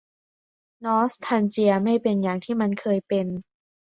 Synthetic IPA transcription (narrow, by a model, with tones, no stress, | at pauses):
nɔː˦˥st̪ʰa˧nt͡ɕi˧ɐma˥˩jpe˧njaː˨˩ŋt̪ʰiː˥˩ma˧nkʰɤː˧jpe˧n